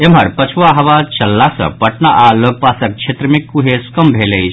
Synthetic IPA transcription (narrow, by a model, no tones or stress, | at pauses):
emɦɐɾpɐt͡ʃʰuʋaɦɐʋat͡ʃɐlːasɐ̰̃pɐʈnaʔaloɡ̚paːsɐk̚kt͡ʃʰet̪ɾəmikːuɦeskəmbʱelei